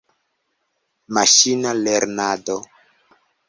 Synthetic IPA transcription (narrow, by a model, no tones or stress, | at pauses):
maʃinaleɾnado